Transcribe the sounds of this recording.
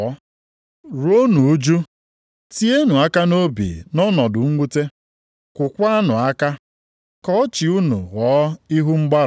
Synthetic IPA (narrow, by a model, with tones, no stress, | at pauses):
ɔ˦ | ɾo˦nu˨u˦d͡ʒu˦ | ti˦e˦nu˨a˦ka˦no˦bḭ˨nɔ˦nɔ˨dʊ˨ŋ̩˦ŋʷu˦te˦ | kʷʊ˨kʷa˦a˦nʊ˨a˦ka˦ | kɔ˦t͡ʃi˨u˦nṵ˨ɣɔː˨˦i˦ɦu˦ŋ͡m̩˦ɡ͡ba˦ɾ